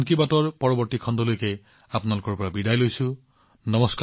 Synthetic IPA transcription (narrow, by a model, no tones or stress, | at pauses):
ŋkibatɔɹpɔɹɔbɔɹtikʰɔndɔlojke | apʊnalʊkɔɹpɔɹabidajlojsʊ̃ | nɔmɔsk